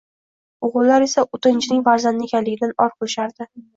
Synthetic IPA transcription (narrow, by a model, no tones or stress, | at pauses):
ʊʁʊlaɾe̞saʔʊt̪ʰɪnt͡ʃʰɪnɪŋʲvaɾzand̪ɪekʲʰanlɪɡʲɪd̪anɒɾqʰʊlɪʃaɾd̪ɪ